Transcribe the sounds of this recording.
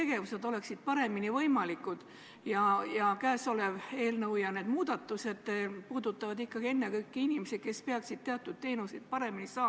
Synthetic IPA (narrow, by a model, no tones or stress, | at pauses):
e̞ɡe̞vuse̞d̪̥o̞le̞ksid̪̥̚pɑɾe̞minivɤjmɑlikːˑud̪̥ | jɑjɑkæːso̞le̞ve̞ːlnɤwjɑne̞ːd̪muːd̪̥ɑt̪ːˑuse̞d̪̥puːd̪̥ut̪ːˑɑvɑd̪ikːɑɡ̥ie̞nːe̞kɤjkːiinimese̥ke̞spe̞ɑksid̪̥̚t̪eɑt̪ːˑud̪̥̚t̪e̞ːnused̪̥̚pɑɾe̞minisɑː